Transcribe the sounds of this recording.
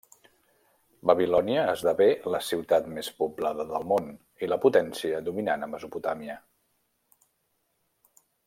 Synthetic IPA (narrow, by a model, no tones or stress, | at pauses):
bəβilɔniəːzðaβeləsiwt̪at̪mespublaðəðəlˠmon | iləput̪ɛnsiəðuminanəməzuput̪amiə